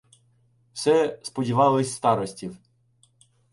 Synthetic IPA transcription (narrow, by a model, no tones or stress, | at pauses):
wsɛspɔdʲiʋɑlˠɪsʲst̪ɑɾɔsʲtʲiw